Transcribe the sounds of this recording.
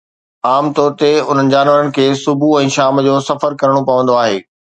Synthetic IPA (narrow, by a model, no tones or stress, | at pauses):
aːmt̪ɔːɾt̪eʊn̤ənɪ̆d͡ʑaːnʋəɾənɪ̆kʰeːsʊbʱuɛ̃ːʃaːmd͡ʑoːsɐfəɾkɐɾəɽ̃opɐʋə̃nd̪oaːɦeː